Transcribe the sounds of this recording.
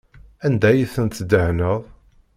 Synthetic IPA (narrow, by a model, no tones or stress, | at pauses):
ænd̪æjiθənt̪d̪əhnəðˤ